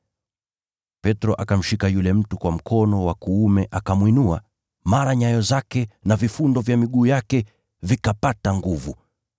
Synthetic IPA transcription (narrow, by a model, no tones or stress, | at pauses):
pɛtɾɔʔakam̩ʃikajulɛm̩tukwam̩kʰɔnɔwakuumɛʔakamwinua | maɾaɲajɔzakɛnavifundɔvjamiɠuːjakɛ | vikapataŋɡuvu